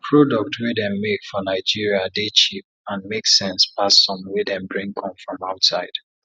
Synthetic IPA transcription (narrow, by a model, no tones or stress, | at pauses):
pʰɹodɔk̚tʰwedɛ̃mːekfɔnaɪd͡ʒiɹiadet͡ʃip̚ãnmeksɛ̃nspasɔ̃mwedɛ̃mbɹĩŋkʰɔ̃mfɹɔ̃maʊtsaɪd̥